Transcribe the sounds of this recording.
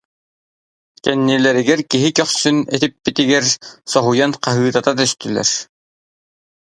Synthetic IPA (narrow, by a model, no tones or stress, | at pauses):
kænːilæɾɘ̆ɡæɾkiɦɘkɒχsɵnæθɘpːɘ̆t̪ɘ̆ɡæɾsɒɦujɑnqɑɦɯɯt̪ɑt̪ɑt̪ɵ̆st̪ɘ̆læ̰ɾ